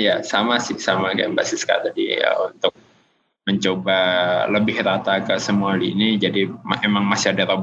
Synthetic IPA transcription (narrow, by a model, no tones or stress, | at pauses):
jasamasɪhsamakaambasɪska̰t̪adḭə̰unt̪ʊk̚ | məɲt͡ʃobaləbɪhɾat̪akəsəmualiinid͡ʒadimemaŋmasiadaɾab